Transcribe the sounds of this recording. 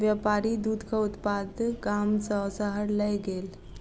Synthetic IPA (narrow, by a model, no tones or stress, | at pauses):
ʋjəpaɾid̪ud̪ʱkəut̪pad̪ɡamsəsəɦəɽləjɡel